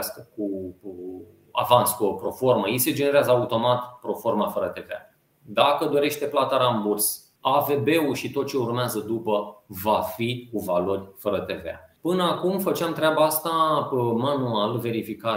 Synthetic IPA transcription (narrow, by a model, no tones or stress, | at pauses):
skəku | a̰vanskuopɾo̞fo̞rməise̞d͡ʒe̞ne̞ɾeazəaut̪o̞mat̪pɾo̞fo̞rmafəɾət̪e̞vea̰ | d̪akəd̪o̞ɾe̞ʃt̪e̞plat̪aɾamburs | ave̞be̞uʃit̪o̞t̪̚t͡ʃe̞urmeazəd̪upəvafikuvalo̞rʲfəɾət̪e̞vḛa̰pɨnəakumfət͡ʃeamt̪ɾeabaast̪amanualve̞ɾifika